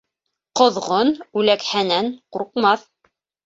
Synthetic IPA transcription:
qŏðʁonʉlækhænænquɾqmɑθ

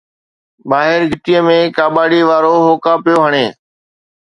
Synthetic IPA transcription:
ɓaːɦɪɾɡʱɪʈiəmẽːkaːɓaːɽiːʋaːɾoːɦoːkaːpɪjoːɦəɽ̃eː

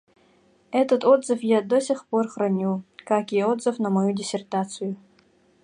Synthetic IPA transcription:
ɛt̪ɐt̪od̪zɨfjaːd̪osʲiχporχrɐnʲukakʲijɛod̪zɨfnɐmɐjudʲɪsʲert̪att͡sʰɨju

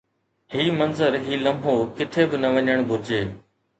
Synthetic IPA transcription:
hiːmɐ̃nzəɾɦiːlɐmbʱokɪt̪ʰebɪnɐʋɐɲəɽ̃bʱʊɾɪd͡ʑeː

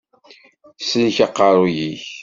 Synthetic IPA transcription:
snçɑqːɑɾˤʊjiç

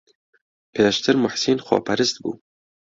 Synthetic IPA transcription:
pʰeːʃt̪ʰɨɾmʊħsiːnxʷɔ̰ːpʰæɾɨst̪bṵː

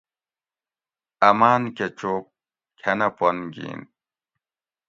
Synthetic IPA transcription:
ɐmaːnket͡ɕoːp̚ | kʰɐnɐponɡḭːn

